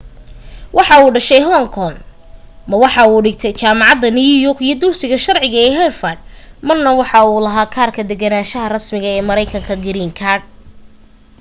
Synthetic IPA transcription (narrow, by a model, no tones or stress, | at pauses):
wʔɑħɑuːɖɐʃɛjɦɔŋkʰɔn | mɐwɑħɑuːɖɪɡt̪ʰɛjt͡ʃaːmɑʕɑd̪ːɐnɪjujɔrkijɞd̪ʊrsɪɣɐʃɐrʕɪɣɐɛːɦɛrfɐd̪̚mɐrnɐwɑħɑuːlɐɦaːkʰaːrkʰɐd̪ɛɡɐnaːʃɐɦɐrɐsmɪɣɐɛːmɐɾɛjkʰɐŋkʰɐɡɪɾiːŋkʰaːrd̚